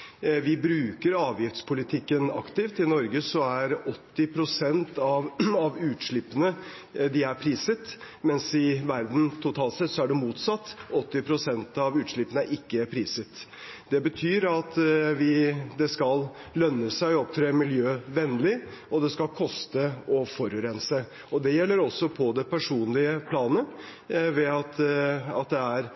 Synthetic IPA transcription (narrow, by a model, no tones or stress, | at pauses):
ʋɪbɾʉːkəɾɑːʋjɪft̪spʰʊlɪt̪ʰɪkːənɑ̰kt̪ɪft̪ɪnɔɾɡəsɔæɾɔt̪ːɪpʰɾʊsɛnt̪ɑʋɑʋʉːt̪ʂɭɪpːənə | d̪ɪæɾpʰɾiːsət̪ | mɛnsɪʋæɾd̪n̩t̪ʰʊt̪ʰɑːlt̪sɛt̪sɔæɖɛmuːt̪sɑt̪ːɔt̪ːɪpʰɾʊsɛnt̪ɑʋʉːt̪ʂɭɪpːənəʔɪkːəpʰɾiːsət̪ | d̪ɛbət̪ʰyːɾɑt̪ʋɪd̪ɛskɑllœnːəsæɪɔɔp̚t̪ʰɾeːmɪljøːʋɛnːlɪɔd̪ɛskɑlkʰɔst̪əɔfɔɾʉɾɛnsə | ɔd̪ɛjɛlːəɾɔsːɔpʰɔd̪ɛpʰæʂuːnlɪəpʰlɑːnə | ʋɛɑt̪ɑt̪d̪ɛæɾ